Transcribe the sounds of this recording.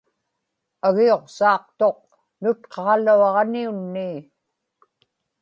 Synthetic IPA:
aɣio̞qsɑːqt̪o̞q̚ | nʊt̪̚qʰɑluɑʁniunːiː

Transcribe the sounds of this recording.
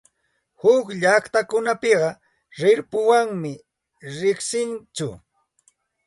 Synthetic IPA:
hʊkʎaχt̪akʊnapɪɢɑ | ɾɪɾpʊwaŋmɪ | ɾɪχsɪnt͡ʃʊ̰

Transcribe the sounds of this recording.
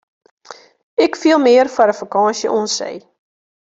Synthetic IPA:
ɛkfiəlˠmiərfaɾəfəkɑːnʃjəʔɔnsə̰j

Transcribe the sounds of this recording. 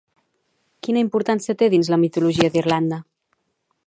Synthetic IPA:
kinəimpuɾt̪ansiət̪eðinzləmit̪uluʒiəðirland̪ə

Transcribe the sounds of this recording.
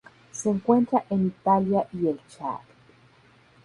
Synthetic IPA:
seŋkʷent̪ɾaʔenit̪aljaʔielt͡ʃa̰k

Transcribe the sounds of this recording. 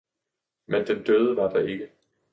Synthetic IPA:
mend̥end̥øð̞ˠəʋɑ̈d̥ɑ̈e̝ɡ̥ə

